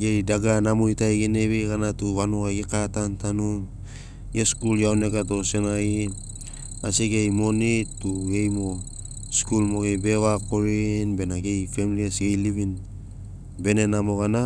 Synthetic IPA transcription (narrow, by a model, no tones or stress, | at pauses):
ɡe̞jdaɡanamojtajɡene̞βiɡanatuβanuaɡikatantanum | ɡeskuljaone̞kato̞se̞nai | a̰siɡejmo̞nitːuɡe̞jmo̞ | skulmo̞ɡe̞jbe̞βakoɾinbe̞naɡe̞jfe̞miliesɡejliβin | be̞ne̞namo̞ɣana